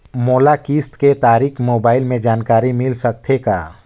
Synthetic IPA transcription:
moːlakiːst̪ket̪aːɾiːkʰmoːbaːɪlmẽd͡ʒaːnkaːɾimɪlsək̚t̪ʰeka̰ː

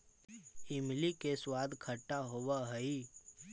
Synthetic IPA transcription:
ɪmlikeswaːd̪kʰəʈːaɦowaɦəi

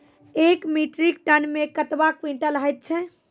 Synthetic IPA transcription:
ekmiʈɾik̚ʈənmekət̪ʋakwiɳʈələɦɛjt̪̚t͡ʃʰɛ

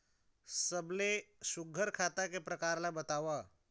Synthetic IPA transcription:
səblesʊɡʱəɾkʰaːt̪akepɾɐkaːɾlabət̪aːʋa

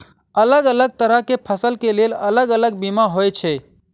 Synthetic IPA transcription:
ələɡələɡ̚t̪əɾəkepʰəsəlkeleːlələɡələɡ̚bimaɦojt͡ʃʰe

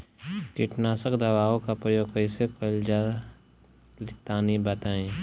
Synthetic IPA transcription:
t͡ʃiʈnaːsəkd̪ɐʋaːõkapɾəjoːɡkəɪsekəld͡ʒaː | lɪt̪aːnibət̪aẽ

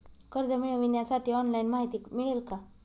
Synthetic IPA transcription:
kəɾd͡zəmiɭəʋinjasaʈʰiːɔnlainmaɦit̪iːkmiɭelka

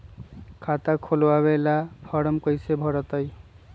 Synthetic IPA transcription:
kʰat̪akʰolwaβelapʰʌɾʌmkʌjsebʱʌɾʌt̪ʌj

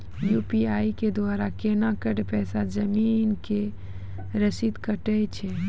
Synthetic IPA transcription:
juːpiaːiked̪waːɾakeːnakəʈpɛːsad͡ʒəmiːnke | ɾəsid̪kəʈəjt͡ʃʰe

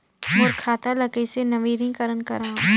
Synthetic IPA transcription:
moːɾkʰaːt̪alɐkesenɐʋiːɾĩŋkɐɾənkɐɾãː

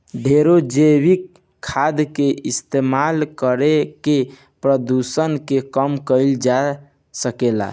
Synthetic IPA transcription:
ɖʱeɾod͡ʒəbikʰː | ad̪keʔist̪emalkəɾeke | pɾəd̪usənkekəmkəɪld͡ʒa | səkela̰

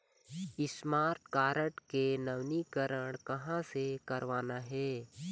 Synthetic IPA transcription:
ɪsmaːɾt̪kaːɾəʈkenɐʋnikəɾəɽ̃kɐɦãsekɐɾʋaːnaɦɛː

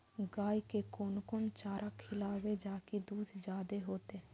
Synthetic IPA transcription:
ɡaːikeːkoːnkoːnt͡ʃaːɾʔaːkʰɪlaːʋeːd͡ʒaːkid̪uːd̪d͡ʒaːd̪eːɦoːt̪eː

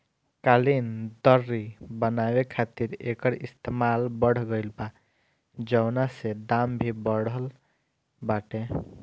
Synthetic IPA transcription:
kalind̪əɾːibənabekʰat̪iɾḛkəɾist̪emalbəɽ̤ɡəjlba | d͡ʒəwnased̪ambʱibəɽəl | baʈe

